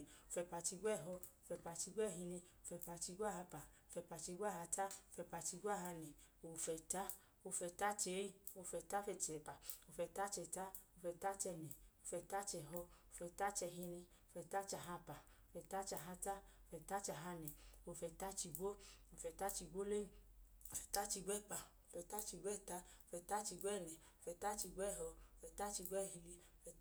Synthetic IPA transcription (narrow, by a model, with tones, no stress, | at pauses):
o˧fɛ˧pa˧t͡ʃi˧ɡʷɛ˦˨ɦɔ˧o˧fɛ˧pa˨˧t͡ʃi˧ɡʷɛ˦˨ɦi˧ni˧o˧fɛ˧pa˧t͡ʃi˧ɡʷa˦ha˧pa˨o˧fɛ˧pa˨˧t͡ʃi˧ɡʷa˦˨ha˧ta˦o˧fɛ˧pa˧t͡ʃi˧ɡʷa˦˨ha˧nɛ˨ | o˧fɛ˧ta˦ | o˧fɛ˧ta˦t͡ʃe˨˦i˧o˧˨fɛ˧ta˦˧fɛ˧t͡ʃɛ˨˧pa˨o˧˨fɛ˧ta˦t͡ʃɛ˧ta˦o˧fɛ˧ta˦t͡ʃɛ˧nɛ˨o˧˨fɛ˧ta˦t͡ʃɛ˧˨ɦɔ˧o˧fɛ˧ta˦t͡ʃɛ˧ɦi˧nɛ˧ | o˧fɛ˧ta˦t͡ʃa˧˨ɦa˧pa˨o˧fɛ˧ta˦t͡ʃa˧ɦa˧ta˦o˧fɛ˧ta˦t͡ʃa˧˨ɦa˧nɛ˨o˧˨fɛ˧ta˦t͡ʃi˧ɡʷo˦o˧fɛ˧ta˦t͡ʃi˧ɡʷo˦le˦˨o˨fɛ̥˨ta˦t͡ʃi˧ɡ͡bʷɛ˦˨k͡pa˨o˧˨fɛ˧ta˦t͡ʃi˧ɡʷɛ˦˨ta˧o˧fɛ˧ta˦t͡ʃi˧ɡʷɛ˦˨nɛ˨ | o˧fɛ˧ta˦t͡ʃi˧ɡʷɛ˦˨ɦɔ˧o˧fɛ˧ta˦t͡ʃi˧ɡʷɛ˦˨ɦi˧li˧o˧fɛ˧˦